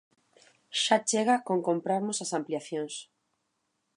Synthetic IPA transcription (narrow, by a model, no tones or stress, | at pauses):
ʃat͡ʃeɣakoŋkõmpɾaɾmosasampliaθjoŋs